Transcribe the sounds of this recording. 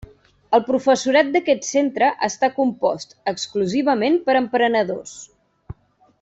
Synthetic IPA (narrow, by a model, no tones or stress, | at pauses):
əlˠpɾufəsuɾat̪̚d̪əkɛt̪sent̪ɾəʔəst̪akumpɔst̪əkskluziβ̞əmenpəɾəmpɾənəðos